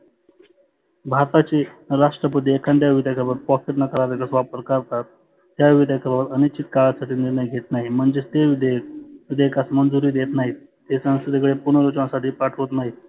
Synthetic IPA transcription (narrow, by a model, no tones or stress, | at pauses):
bʱaɾt̪at͡ɕeɾaʂʈɾəpəd̪eekʰant̪jaʋid̪jakʰəɾbəɾ̚pɔkeʈnəkəɾaɾekasʋapɾkəɾt̪at̪̚ː | jaʋid̪jakʰəɾaʋəɾənit͡ɕit̪kaɭasaʈʰiːniɾnəjɡʱet̪naɦim̤əɳd͡zet̪eʋd̪eʋid̪eekasmənd͡zuɾiːd̪et̪naɦiː | t̪esə̃ŋsəd̪ekɭepuɳəɾot͡ɕãsaʈiːpaʈʰʋət̪naɦi